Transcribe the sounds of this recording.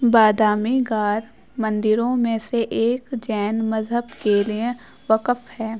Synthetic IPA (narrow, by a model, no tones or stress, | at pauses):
baːd̪aːmiɡaːɾ | mɐ̃nd̪ɪɾõmẽseʔeːkd͡ʒɛːnmɐzɦəbkeliẽ | ʋəkəfhɛː